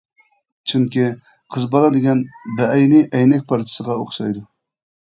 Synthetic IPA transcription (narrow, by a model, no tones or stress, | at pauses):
t͡ʃʰyŋkʲi | qʰəzbɑlˠɑd̪ɪɡʲɛnbɛʔɛjnɪʔɛjnɛk̚ʲpʰɑɾt̪ʰɨ̥səʁɑoχʃɑjd̪u